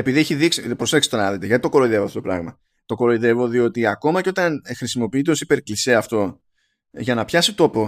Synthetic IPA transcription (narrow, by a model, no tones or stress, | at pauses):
e̞piðieçiðiksipɾo̞seksi̥t̪onɐɐðit̪eʝɐt̪it̪o̞ko̞ɾoiðe̞voɐft̪ot̪pɾɐ̰ɣmɐ | t̪o̞ko̞ɾoiðe̞vo̞ðio̞t̪iɐko̞mɐceo̞t̪ɐnxɾisimo̞piit̪eosi̥pe̞ɾklise̞ɐft̪o̞ | ʝɐnɐpçɐsit̪o̞po̞